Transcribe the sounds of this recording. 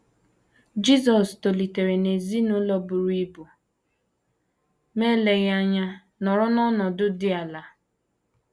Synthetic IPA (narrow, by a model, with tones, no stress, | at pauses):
d͡ʒi˦zɔ˨sto˨li˨te˨ɾe˨ne˨zi˦nʊ˦lɔ˦bʊ˨ɾi˦bu˨ | me˦le˨ɣa˦ɲa˦ | nɔ˨ɾɔ˦nɔ˦nɔ˨dʊ˦dɪ˦a˨la˨˦